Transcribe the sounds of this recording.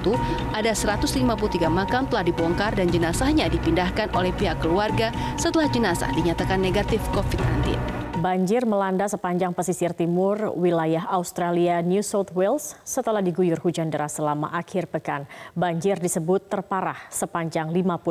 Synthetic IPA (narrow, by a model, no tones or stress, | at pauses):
t̪uʔadasəɾat̪ʊslimapulut̪iɡamakamt̪əlahdibɔŋkardand͡ʒənasahɲadipindahkanʔolɛhpiɦakːəluarɡasət̪əlahd͡ʒənasa̰hdiɲat̪akanːeɡat̪ɪfkofit̪̚nant̪ɪ̰nbaɲd͡ʒɪrməlandasəpaɲd͡ʒaŋpəsisrt̪imʊrwilajaɦaust̪ɾalianjusot̪wɛlsːət̪əlahdiɡujʊrhud͡ʒandəɾasəlama̰ʔakʰɪrbəkanbaɲd͡ʒɪrdisəbʊt̪ːərpaɾahsəpaɲd͡ʒaŋlimapu